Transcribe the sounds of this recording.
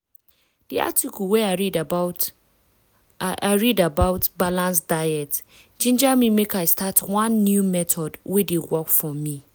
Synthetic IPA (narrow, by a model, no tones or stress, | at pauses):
d̥ia̰tʰikʰuwɛaɹid | ʔaɪɹidabaʊtbalãnsd̥aɪɛt | d͡ʒĩnd͡ʒamĩmekaɪstʰatʰwãnːjumɛtʰɔdwedewɔkfɔmĩ